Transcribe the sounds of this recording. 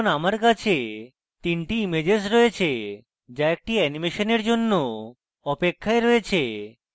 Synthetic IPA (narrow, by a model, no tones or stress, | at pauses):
namaɾkat͡ɕʰe | t̪inʈiimed͡ʑes̬ɾoet͡ɕʰe | d͡ʑaek̚ʈiɛnimeʃoneɾd͡ʑonːo | ɔpekʰːaeɾɔet͡ɕʰe